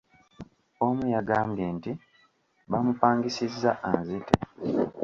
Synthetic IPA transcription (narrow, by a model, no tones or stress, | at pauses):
omujaɡaːmbje̞nti | βamupaːŋɡisizːaʔanzitʰe